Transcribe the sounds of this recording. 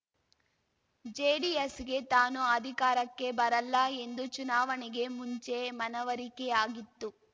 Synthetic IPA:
d͡ʒeːɖiesɡe̞t̪aːnuɐd̪ʱikaːɾɐkːe̞bɐɾɐlːɐe̞nd̪ut͡ʃunaːʋɐniɡe̞muɲt͡ʃe̞mɐnɐʋɐɾikɛjaːɡit̪ːu

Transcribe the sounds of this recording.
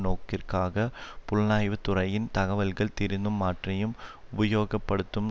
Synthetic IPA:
noːkːɪrkaːɣɐpʊɭnaːjʋɨt̪ʊrɐjɪnt̪ɐɣɐʋɐlɣɐɭt̪iɾɯnːɯmːaːʈrɐjɯmʊbɐjoːɡɐpːɐɽɯt̪ːɯm

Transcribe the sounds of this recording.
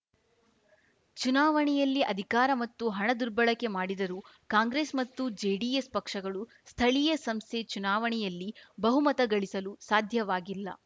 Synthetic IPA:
t͡ʃunaːʋɐɳɛjɐlːiʔɐd̪ʱikaːɾɐmɐt̪ːuɦɐɳɐd̪uɾbɐɭɐkːe̞maːɽid̪ɐɾuː | kaːŋɡɾeːsmɐt̪ːud͡ʒeːɖiespɐkʂɐɡɐɭu | st̪ʰɐɭijɐsɐmst̪ʰet͡ʃunaːʋɐɳɛjɐlːibɐɦumɐt̪ɐɡɐɭisɐlusaːd̪ʱjɐʋaːɡilːɐ̰

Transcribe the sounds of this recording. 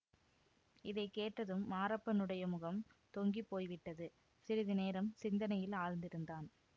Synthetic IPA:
ɪðɐɪkeːʈrɐðɯmːaːɾɐpːɐnɯɽɐjɐmɯɣɐmt̪ɔŋɡipːoːjʋɪʈːɐðɯ | sɪɾɪðɯneːɾɐmsɪnd̪ɐnɐjɪlaːɻnd̪ɪɾɯnd̪aːn

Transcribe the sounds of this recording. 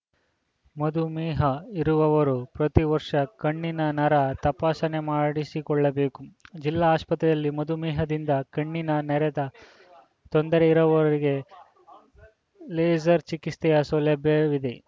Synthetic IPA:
mɐd̪umɛːɦɐiɾuʋɐʋɐɾupɾɐt̪iʋɐɾʂɐkɐɳːinɐnɐɾɐt̪ɐpaːsɐne̞maːɽisikɔɭːɐbe̞ːkud͡ʒilːaːspɐt̪ɾɐj̪ɐlːimɐd̪umɛːɦɐd̪ind̪ɐkɐɳːinɐnɛɾɛd̪ɐ | t̪ond̪ɐɾeiɾɐʋɐɾiɡe̞ | leːd͡ʒɐɾt͡ʃikist̪ɛjɐsulɛbjɐʋid̪e̞

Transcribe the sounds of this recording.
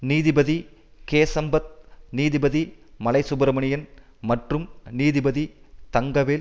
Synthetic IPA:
niːðɪbɐði | keːsɐmbɐt̪̚niːðɪbɐðimɐlɐɪsʊbɐɾɐmɐɳɪjɐn | mɐʈrɯmniːðɪbɐðit̪ɐŋɡɐʋeːl

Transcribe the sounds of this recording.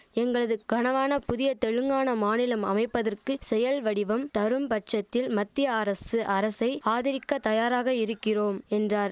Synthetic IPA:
ɛŋɡɐɭɐðɯɡ̥ɐnɐʋaːnɐpʊðɪjɐt̪ɛɻɯŋɡaːnɐmaːnɪlɐmɐ̰mɐɪpːɐðɐrkɯsɛjɐlʋɐɽɪʋɐmt̪ɐɾɯmpɐʈ̚t͡ʃːɐt̪ːɪlmɐt̪ːɪjɐːɾɐsɯʔɐɾɐsɐɪaːðɪɾɪkːɐt̪ɐjaːɾaːɣɐɪɾɯkːɪroːmɛndraːɾ

